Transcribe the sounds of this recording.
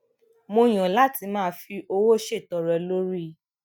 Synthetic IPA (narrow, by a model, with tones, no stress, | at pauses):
mo˧j̃ɔ̃˨la˦ti˧˦mãː˦˧fi˧ʔo˧wo˦ʃe˦˨tɔ˨ɾɛ˨lo˦ɾi˦